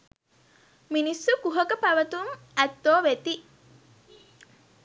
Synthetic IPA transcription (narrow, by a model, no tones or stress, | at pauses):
minisːukuɦəkəpæʋət̪uŋ | æt̪ːoːʋet̪i